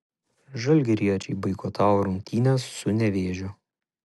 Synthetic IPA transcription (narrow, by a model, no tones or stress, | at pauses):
ʒɐlʲˑɡʲɛɾʲiɛɔt͡ʃʲɛɪbɐɪkoːt̪ʰɑˑʊɾʊŋʲk̚ʲt̪ʲiːnʲɛsːʊnʲɛʋʲeːʒʲʊ